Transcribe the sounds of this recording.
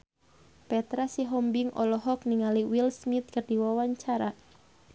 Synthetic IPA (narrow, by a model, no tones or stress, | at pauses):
pɛt̪ɾasiɦɔmbɪŋʔɔ̰lɔɦɔk̚niŋaliwilsmit̪̚kərd̥iwawaɲt͡ʃaɾa